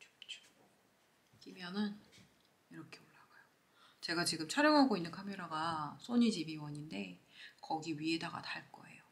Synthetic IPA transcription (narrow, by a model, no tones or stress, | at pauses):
t͡ɕo̥ | kimjʌnɯn | iɾʌkʰe̞oɭːaɡ̥ajo | t͡ɕe̞ɡat͡ɕiɡɯmt͡ɕʰʌɾjʌŋɦaɡoinːɯnkʰameɾaɡasʰoɲid͡ʑibiwʌɲinde̞ | kʌɡiɥie̞daɡa̰taɭk͈ʌ̰e̞̰jo